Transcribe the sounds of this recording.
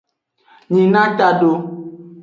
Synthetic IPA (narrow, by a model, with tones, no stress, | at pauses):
ɲĩ˨nã˦t̪a˨ɖo˨